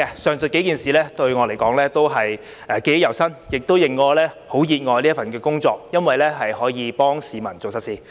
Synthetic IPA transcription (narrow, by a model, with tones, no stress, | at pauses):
ɛ˧sœː˨ŋsɵ˨t̚ke˨˥jkiː˨nsiː˨lɛː˥t̪ɵ˧ɥŋɔː˨˧le˨˩jkɔː˨˥ŋlɛː˥t̪o˥wɦɐ˨j | ɛ˨˩ke˨˥jjɐ˨˩wsɐ˥njɪ˨k̚t̪o˥wjɪ˨ŋːɔː˧lɛː˥ho˨˥wjiː˨˧t̚ŋɔː˨˧jliː˥ɐ˥fɐ˨nkɛː˧kʊ˥ŋt͡sɔː˧k̚jɐ˥nwɐ˨jlɛː˥ɦɐ˨jhɔː˨˥jiː˨˧pɔː˥ŋsiː˨mɐ˨˩nt͡so˨wsɐ˨t̚siː˨˩